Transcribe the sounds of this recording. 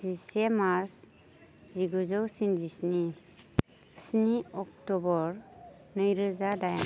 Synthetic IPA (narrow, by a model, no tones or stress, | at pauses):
zisemaɾs | ziɡɔzɔwsind͡ʒisni | sniɔk̚tɔbɔɾ | nɯjɾɯzadaja